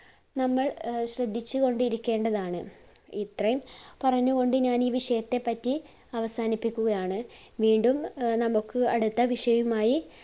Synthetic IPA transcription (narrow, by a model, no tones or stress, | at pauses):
nɐmːɐɭɕrɐd̪ʱːit͡ɕːuɣo̞ɳɖiɾikʲːe̞ːɳɖɐðaːɳɨ | it̪rɐjumpɐrɐɲːuɣo̞ɳɖɨɲaːniːʋiʂɐjɐt̪ːe̞pːɐtːi | ɐʋɐsaːnipːikʲːuɣɐjaːɳɨʋiːɳɖumnɐmukːɨɐɽut̪ːɐʋiʂɐjumaːji